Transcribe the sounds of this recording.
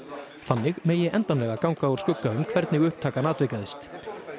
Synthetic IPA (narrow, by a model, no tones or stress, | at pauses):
θanːɪɣmeːjɪʔɛnt̪anlɛɣakawŋkaɔɾ̥skʏkːaʏmkʰvɛɾt̪nɪɣʏhp̚t̪ʰaːkanaːt̪vejkaðɪst̪